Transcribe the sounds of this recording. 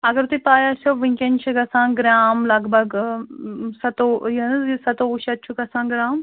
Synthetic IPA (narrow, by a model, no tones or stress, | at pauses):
ɐɡɐɾt̪ipaːjasoʋĩŋkent͡ʃʰiɡɐsãːɡɾaːmlɐɡbʱɐɡ | sɐt̪ojɐsɐt̪oːuʃɐt̪̚ːt͡ʃʰuɡɐsãːɡɾaːm